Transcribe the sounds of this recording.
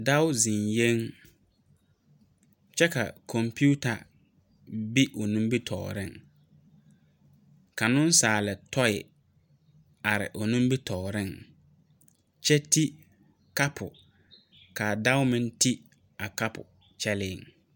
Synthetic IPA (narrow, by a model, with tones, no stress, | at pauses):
da˦wʊ˦zi˨nje˦ŋ | t͡ʃɛ˦ka̰˨kʰɔ˨mpu˦ta˨ | bi˦ʔo˨nũ˦mbi˦tʰɔ̰ː˨ɾɪ˦ŋ | ka˨nʊ̃˦n˦saː˨lɪ˨tɔ˦ɪ˨ | a˨ɾɪ̰˨ʔʊ˨nũ˦m˦bi˦tʰɔː˨ɾɪ˦ŋ | t͡ʃɛ˦ti˦ | ka˦pʰʊ˨ | ka˨da˦wʊ˦mɪ̃˦nti˦ | a˨ka˦pʊ̰˨ | t͡ʃɛ˦lɪ˦˨ŋ